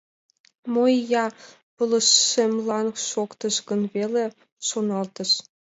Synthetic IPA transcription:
mojjɑ | pɤ̆lɤ̆ʃːemlɑnʃokt̪ɤ̆ʃɡə̆nβele | ʃonɑlt̪ɤ̆ʃ

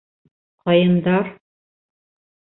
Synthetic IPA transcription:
qɑjɤ̆nd̪ɑɾ

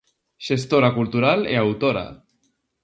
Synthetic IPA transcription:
ʒ̥est̪oɾakulˠt̪uɾalḛawt̪oɾa̰

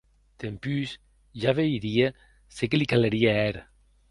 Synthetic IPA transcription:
t̪empys | ʒaβejɾie | sekelikaleɾieɛɾ

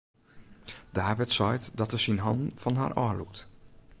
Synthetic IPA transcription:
d̥aːʋɪtsɔjtdɔtəsinɦɑndn̩fɔnɦa̰ːrʔɔ̰lṵk̚t

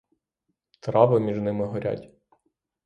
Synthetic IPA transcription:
t̪ɾɑʋɐmʲiʒnɪmɪɦɔɾʲʔa̰tʲ

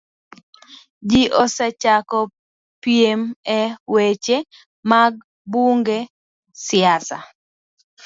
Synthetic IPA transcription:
d͡ʒiʔɔsɛt͡ʃakɔ | piemɛwet͡ʃe | maɡ̚ | buŋɡe | sɪasa̰

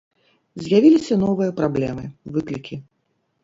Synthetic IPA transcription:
zʲjavʲilʲisʲɐn̪ɔvɨjɐpɾablʲɛmɨvɨklʲikʲi

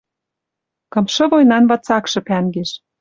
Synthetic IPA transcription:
kɤ̆mʃɤ̆βojnɑnvɑt͡sɑkʃɤ̆pæŋɡeʃ

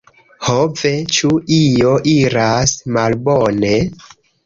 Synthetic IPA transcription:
hove̞t͡ʃuʔijo̞ʔiɾasmalbone̞

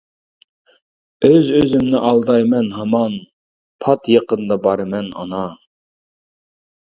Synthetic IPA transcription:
øzøzymnɪʔɑlˠd̪ɑjmɛnɦɑmɑn | pʰɑt̪jəqənd̪ɑbɑɾmɛnɑ̰nɑ

